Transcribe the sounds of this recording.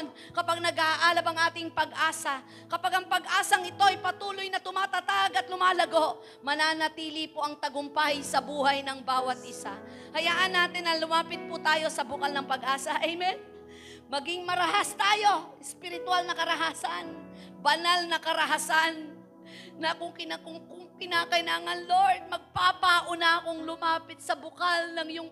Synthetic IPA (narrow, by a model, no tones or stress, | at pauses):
n | kɐpaɡ̚nɐɡaʔaːlɐbɐŋʔaːt̪ɪŋpɐɡʔaːsɐ | kɐpaɡɐŋpɐɡʔaːsɐŋɪt̪o̞ʔɐjpɐt̪uːlojnɐt̪ʊmaːt̪ɐt̪aɡɐt̪lʊmaːlɐɡo̞ʔ | mɐnaːnɐt̪iːlipoʔɐŋt̪ɐɡʊmpajsɐbuːhɐjnɐŋbaːwɐt̪̚ʔɪsa | hɐjaːʔɐnːaːt̪ɪnɐlʊmaːpɪt̪̚pʊt̪aːjo̞sɐbʊkalnɐŋpɐɡʔaːsɐʔɛjmɛt̪̚ | mɐɡɪŋmɐɾɐɦast̪aːjo̞ʔɛspɪɾɪt̪ʊalnɐkɐɾɐɦaːsɐnbɐnalnɐkɐɾɐɦasanː | ɐkʊŋkɪnakʊŋkʊŋkɪnaːkɐɪlaːŋɐnloɹd̪̚mɐɡ̚papaʔʊnakoŋlʊmaːpɪt̪̚sɐbʊkalnɐŋjʊŋ